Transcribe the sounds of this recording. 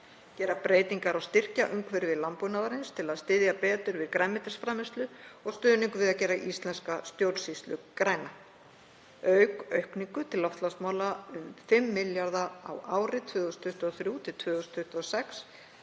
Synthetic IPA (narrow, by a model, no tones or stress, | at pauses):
cɛːɾapɾeːjt̪iŋkaɾawst̪ɪr̥caʔʏmkʰvɛɾɪvɪðlampunavaɾɪnst̪ʰɪlaðst̪ɪðjapɛːt̪ʏɾvɪðkɾɛmːɪt̪rsfɾaːmɪst̪lʏɔɣst̪œːniŋkʏvɪðaðcɛːɾaʔist̪lɛnskast̪jowlsist̪lʏkɾaːjna | œɥkœɥhkniŋkʏt̪ʰɪlɔft̪lasmaːwlaʏmfɪmːɪljaɾðaa̰waːwɾɪt̪ʰvʏːðʏst̪ʰʏht̪ɔθɾjuːt̪ʰɪlt̪ʰvʏːðʏst̪ʰʏht̪ɔsɛks